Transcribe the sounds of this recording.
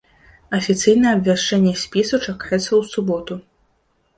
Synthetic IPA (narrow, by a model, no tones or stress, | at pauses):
ɐfʲit̪sɨjnɐjɛɐbvʲaʂt͡ʂɛnʲːɛsʲpʲisut͡ʂakajɛt̪sːɐwsubɔt̪u